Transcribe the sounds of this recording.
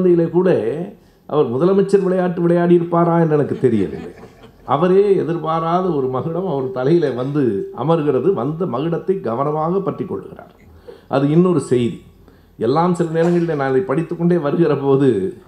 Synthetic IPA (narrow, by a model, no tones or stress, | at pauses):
nd̪ɐjɪlekuːɽɐ | ʔɐ̰ʋɐɾmʊðɐlɐmɐt͡ʃːɐɾʋɪɭɐjaːʈːɯʋɪɭɐjaːɽɪjɪɾɯpːaːɾaːɛndɛnɐkːɯt̪ɛɾɪjɐ̰ðɯ̰ | ʔɐ̰ʋɐɾeːɛðɪɾpaːɾaːðɐɔɾɯmɐɣɯɽɐmɐʋɐɾɯt̪ɐlɐjɪleʋɐnd̪ɯɐ̰mɐɾɯɣɪrɐðɯʋɐnd̪ɐmɐɣɯɽɐt̪ːɐɪɡɐʋɐnɐmaːɣɐpːɐʈrɪkːɔ̰ɭːɯɣɪra̰ːɾ | ʔɐ̰ðɯɪnːɔɾɯsɛjði | ɛlːaːmsɪlɐneːɾɐŋɡɐɭɪlenaːnɪðɐɪpɐɽɪt̪ːɯkːɔɳɖeːʋɐɾɯɣɪrɐpoːðɯ